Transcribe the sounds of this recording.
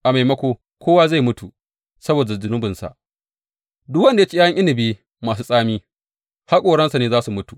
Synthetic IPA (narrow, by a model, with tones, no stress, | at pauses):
ʔa˨ma˨jmɐ˦kʷoː˦ | kʷʰoː˦wa˦za˦˨mʊ˦tʰu˨ | sɐ˦boː˨da˨d͡ʒɪ˨nʊ˦bɪ˨nsa̰˨ʔ | dʊ˦kwɐ˦nda˨ja˦t͡ʃi˦aː˦ɐ˦ŋʔɪ˦nɪ˨biː˦ | maː˨suː˦sʼaː˦miː˦ | ha˦kʷʼoː˨ɽɐ˦nsa˨neː˨zaː˦su˨mʊ˦tu̥˨